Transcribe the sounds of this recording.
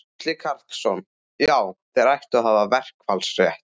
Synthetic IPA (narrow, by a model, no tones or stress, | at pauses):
kʰlɪkʰaɾ̥t̪sɔn | jaːwθɛɾajht̪aðɦhaːvavɛr̥kfalsrjɛht̪